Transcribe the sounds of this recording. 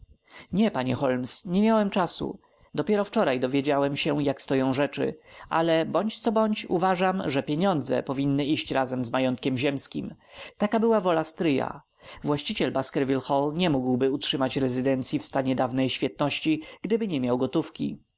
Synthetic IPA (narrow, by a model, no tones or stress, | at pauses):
ɲɛpaɲɛxɔlmsɲɛmʲjawɛmt͡ʂasṵ | d̪ɔpʲjɛɾɔft͡ʂɔɾajd̪ɔvʲjed͡ʑawɛmɕɛjakst̪ɔjɔ̃w̃ʐɛt͡ʂɘ̰ʔa̰lɛbɔɲt͡ɕt̪sɔbɔɲt͡ɕuvaʐamʐɛpʲjeɲɔ̃nd̪zɛ̰pɔvʲinːɘiɕt͡ɕɾazɛmzmajɔnt̪kʲɛmʑɛmskʲim | t̪akabɘwavɔlast̪ɾɘja̰ | vwaɕt͡ɕit͡ɕɛlbaskɛɾvʲilxɔlɲɛmuɡwbɘutʂɘmat͡ɕɾɛzɘd̪ɛnt̪sʲjifst̪aɲɛd̪avnɛjɕfʲjɛt̪̚nɔɕt͡ɕiɡ̥d̪ɘbɘɲɛmʲjawɡɔt̪ufkʲḭ